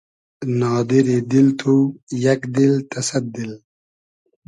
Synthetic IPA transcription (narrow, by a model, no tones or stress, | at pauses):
nɑːd̪iɾid̪ilt̪ʰujakd̪ilt̪ʰɐsad̪̚ːil